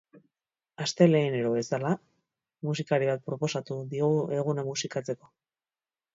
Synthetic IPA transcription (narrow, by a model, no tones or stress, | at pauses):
ast̪e̞le̞ːne̞ɾo̞βe̞sala | musikaɾiβat̪̚pɾo̞po̞sat̪uðioɣʔe̞ɣ̞unamusikat͡se̞ko̞